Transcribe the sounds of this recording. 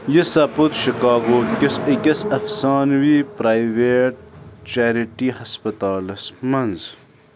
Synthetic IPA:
jisɐput̪ʃikaːɡokesɐkɐsɐfsaːnwiːpɾaːjiweːʈ̚t͡ʃaːɾiʈihɐspɐt̪aːlɐsmɐnz

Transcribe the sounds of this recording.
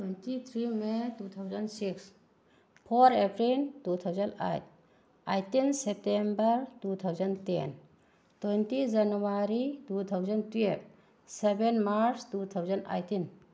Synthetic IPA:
twentit̪ʰɾimetut̪ʰawzənsiks | pʰoɾepɾiltut̪ʰawzənda̰jt̚ | ajtinsep̚tembəɾtut̪ʰawzɐntḛn | twejntid͡ʒanuaɾitut̪ʰawzəntiep̚ | sebenmaɾstut̪ʰawzəna̰jtin

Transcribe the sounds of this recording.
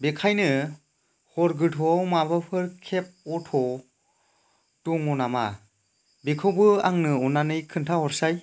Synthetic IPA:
bekʰajnɯ | hɔɾɡɯtʰɔwmabɯpʰɯɾkʰep̚ɔtʰɔ | tɔŋɔnama | bekʰɯwbɯaŋnɯɔnanɯjkʰɯntʰahɔɾsaj

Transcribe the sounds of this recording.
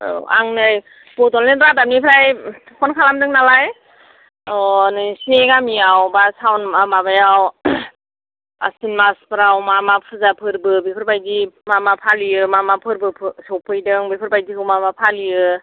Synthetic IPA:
a̰ŋnɯj | b̥ɔtɔlneɾadam̚nipʰɾaj | pʰɔnkʰalamdɯŋnalaj | ɔnɯsneɡamiawbasawnmamabajaw | a̰sinmaspʰɯɾawmamapʰɯzapʰɯɾbɯbipʰɯɾbajdimamapʰaliɯmamapʰɯɾbɯpʰɯsɔwpʰɯjdɯŋbipʰɯɾbajdikʰɯwmamapʰalijɯ

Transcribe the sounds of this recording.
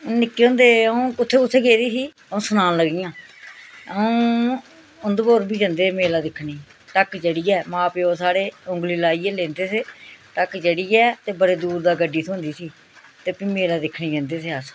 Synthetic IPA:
nɪkːeːõːnd̪eːəũːkʊt̪ʰːeːkʊt̪ʰːeːɡeːd̪iːsiː | əõːsʊnãːnləɡijãː | əũː | ʊnd̪boːɾbiːd͡ʒə̃nd̪eːmeːlaːd̪ɪkʰːniː | ʈ̪əkd͡ʒəɽiːɛːmãːpeːoːsaːɽeːʊ̃ŋɡliːlaːiːɛːlẽːnd̪eːseːt̪əkd͡ʒəɽiːɛːt̪eːbəɽeːd̪uːɾd̪aːɡəɖiːsʰõːnd̪iːsiː | t̪eːpiːmeːlaːd̪ɪkʰɳiːd͡ʒə̃ːnd̪eːseːəs

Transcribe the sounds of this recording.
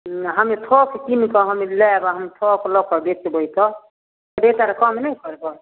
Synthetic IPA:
ɦamit̪ʰɔkʰkimikɔɦamilɛbaɦamit̪ʰɔkʰlɔkʰɔbetibɔɦit̪ɔ | ɔdet̪aɾɛkɔmnajkɔɾɛbɔ

